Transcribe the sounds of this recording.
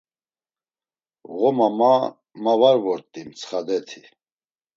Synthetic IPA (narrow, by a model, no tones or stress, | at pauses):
ɣɔmama | mavaɾvɔɾt̪ʼimt͡sʰχad̪ɛt̪ʰi